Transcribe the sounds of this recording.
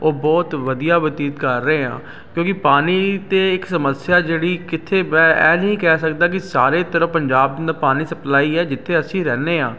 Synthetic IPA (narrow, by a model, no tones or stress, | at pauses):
oːbɔːt̪ʋəd̪ijaːʋət̪iːt̪kəɾːəeːã̰ː | kjõːkɪpaːniːt̪eːɪksəməsɪjaːd͡ʒeːɽiːkɪt̪ʰːeːbɛ̃ːɛ̰ːnəĩːkɛːsəkd̪aːkɪsaːɾeːt̪əɾə̃pəɲd͡ʒaːb̪d̪aːpaːniːsəplaːiːɛːd͡ʒɪt̪ʰːeːəsĩːɾɛːneːãː